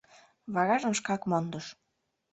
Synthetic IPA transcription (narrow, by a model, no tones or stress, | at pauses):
βɑɣɑʒə̆mʃkɑkmond̪ɤʃ